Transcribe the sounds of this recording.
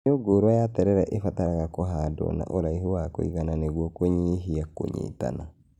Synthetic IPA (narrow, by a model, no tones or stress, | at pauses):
oɡoːɾwajatɛɾɛɾɛʔefataɾaɣakoɦadɔ̰na̰ʔoɾaiɦowako̰iɣananeɣwɔkoɲiɦiako̰ɲḭta̰na